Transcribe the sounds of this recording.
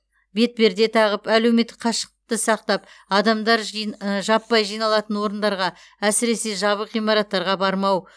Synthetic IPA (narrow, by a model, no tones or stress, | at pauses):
be̞t̪̚be̞ɾd̪e̞t̪ʰɑʁəpæle̞wme̞t̪ːɪ̥kqʰɑʃə̥qt̪əsɑq̚t̪ɑp | ɑd̪ɑmd̪ɑɾʒɑpːɑjʒijnɑlˠɑt̪ənwo̞ɾənd̪ɑɾʁɑ | æsɪɾe̞se̞ʒɑβəqijmɑɾɑt̪ːɑɾʁɑbɑɾmɑw